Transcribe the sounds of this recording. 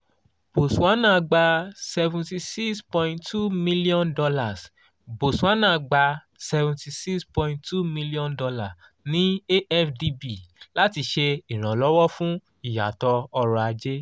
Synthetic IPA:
b̥o˨su˨a˨˦nã˦˧ɡ͡ba˧sɛ˧vũ˨ti˧si˦kspɔ̃˧ĩ˧ntʰu˦˨mi˦li˦ɔ̃˦ndɔ˧la˦˨s | bo˨sũ˨a˦nã˦˨˧ɡ͡ba˧ | sɛ˧vũ˨ti˧si˦kspɔ̃˧ĩ˧ntu˦˨mĩ˧li˦ɔ̃˦ndɔ˧la˨ | nĩ˦e˦ɛ˦fdi˧bi˨la˦ti˧ʃe˧i˨ɾ̃ã˨lɔ˨˦wɔ˦fũ˦ | i˦˨ja̰˨tɔ˧ɔ˧ɾɔ˧a˧d͡ʒe˦

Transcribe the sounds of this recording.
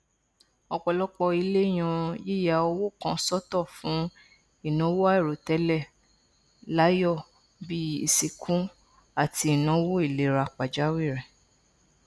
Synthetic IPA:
ɔ˧k͡pɔ˨lɔ˦k͡pɔ˧i˧le˦j̃ã˧je˦˨ja˧˨o˧wo˦kã˧sɔ˦tɔ˦˨fũ˨˦ | i˦˨nɔ̃˨˦wo˦a˦i˦˨ɾo˨tɛ˨˧˦lɛ˦˨ | la˨˦jɔ˦˨ | bi˦i˧si˧kʰũ˦ | a˦˨ti˧˦i˨nã˨˦wo˦i˦˨le˨˦ɾa˧k͡pa˨d͡ʒa˨˦wi˦˨ɾɛ˨

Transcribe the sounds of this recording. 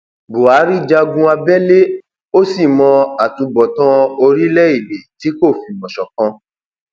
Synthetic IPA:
bu˨a˨˦ɾi˦˨d͡ʒa˧ɡũ˧a˧bɛ˦le˦ | o˦si˦˨mɔ̃˧a˨tũ˧bɔ˨tã˦o˧ɾi˦lɛ˦i˦˨be˨ti˨˦ko˦˨fi˧mɔ̃˨ʃɔ˨kã˧

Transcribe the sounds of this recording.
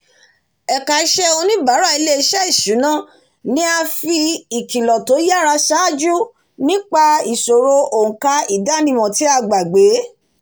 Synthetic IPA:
ɛ˨ka˨i˦ʃɛ˦o˧nĩ˦ba˨˦ɾa˦˨i˧le˦i˧˦ʃɛ˦i˦˨ʃu˨˦nã˦˨ | nĩ˦a˧fi˧i˨kĩ˨lɔ˨to˨˦ja˦˨ɾa˧ʃa˦˨d͡ʒu˦ | nĩ˦k͡pa˧i˨so˨ɾo˧õ˨ka˧i˨da˦nĩ˧mɔ̃˨ti˨˦a˧ɡ͡ba˨ɡ͡be˨˦

